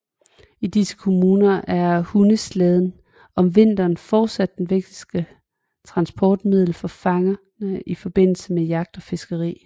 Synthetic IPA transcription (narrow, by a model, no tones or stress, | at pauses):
id̥isə̥kʰo̝muːnɐʔæɐhunəsleð̞ˠn̩ | ɒ̽mʋe̝n̰d̥ɐːnfɒːd̥sæd̥ːenʋeɡ̥̚d̥isɡ̥ə | t͡sʰʁɑ̈nsb̥ʰɒːd̥mið̞̰ˠl̩fɒ̽fɑ̈ŋɐ | nəʔifɒ̽b̥e̝n̰l̩səmejɑ̈ɡ̥̚d̥ɒ̽fe̝sɡ̥əʁḭː